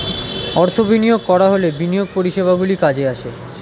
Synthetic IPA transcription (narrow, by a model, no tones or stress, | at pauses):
ɔɾt̪ʰobinijoɡ̚kɔɾaɦolebinijoɡ̚poɾiʃeβʱaɡulikad͡ʑeaʃe